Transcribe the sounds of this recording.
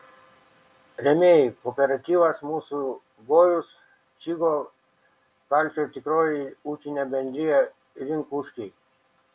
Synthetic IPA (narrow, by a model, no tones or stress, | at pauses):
ɾemejkopeɾat̪iʋasmusu | ɡojus | t͡ʃiɡo | kalt͡ʃot̪ikɾoɾiut͡ʃinebend̪ɾia | ɾiŋkuʂki